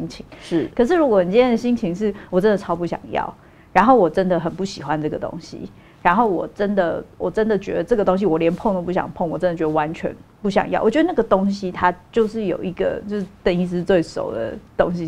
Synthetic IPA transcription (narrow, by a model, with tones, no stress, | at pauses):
i˥ŋt͡ɕʰi˧˥ŋʂɻ̩˥˩kʰə˩ʂ̬ɻ̩˥˩ɻu˦˥ɡɔ˨˩xə˨˩nt͡ɕi˥njd̪ə˩ɕi˥ŋt͡ɕʰi˧˥ŋʂɻ̩˥˩wɔ˨˩ʈ͡ʂə˦˥nd̪ə˨˩ʈ͡ʂʰɑ˥ʊpu˥˩ɕjɑ̰˨˩ŋjɑ̰˥˩ʊ | ɻa˧˥nxo˥˩ʊwɔ˨˩ʈ͡ʂə˦nd̪ə˨xə˨˩npu˥˩ɕi˨˩xwa˦nʈ͡ʂɤ˥˩ɡə˩t̪o̰˥ŋɕḭ˦ | ɻa˧˥nxo˥˩ʊwɔ̰˨˩ʈ͡ʂə˥nd̪ə˨wɔ˨˩ʈ͡ʂə˦nd̪ə˨t͡ɕɥɛ̰˧˥d̪ə˧ʈ͡ʂɤ˥˩ɡə˩t̪o˥ŋɕ̬i˧wɔ˨˩ljɛ˧˥npʰŋt̪o˥pu˥˩ɕjɑ̰˨˩ŋpʰo˥˩ŋwɔ˨˩ʈ͡ʂə˦nd̪ə˩t͡ɕɥɛ˧˥d̪ə˧wa˧˦nt͡ɕʰɥɛ̰˧˦npu˥˩ɕ̬jɑ̰˨˩ŋjɑ˥˩ʊʔɔ˨˩ɥɛ˥ə˧na˥ɡə˩t̪o˥ŋɕ̬i˦t̪ʰa˥t͡ɕjo˥˧ʊʂɻ̩˥˩jo̰˨˩ʊi˧˥ɡə̰˨t͡ɕjo˥˧ʊʂ̩˥˩t̪ə˧ni˥˧˩sɻ̩˥t͡swe˥˩ɪʂo̰˨˩ʊd̪ə̰˦t̪o̰˥ŋɕi˦